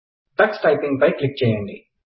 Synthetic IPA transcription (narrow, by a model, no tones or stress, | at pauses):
ɖ̪ɐksʈɐjpiŋɡpɐjklik̚t͡ʃɛːjɐɳɖi